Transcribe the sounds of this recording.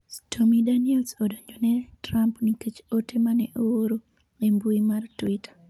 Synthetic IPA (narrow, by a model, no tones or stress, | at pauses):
tʰomidaniɛlsɔdɔɲɔnɛtɾampniket͡ʃotemanɛʔooɾo | embuimartwitʰḁ